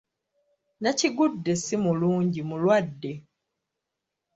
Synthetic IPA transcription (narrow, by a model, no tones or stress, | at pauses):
naciɡudːe̞simuluːɲɟimulwadːe̞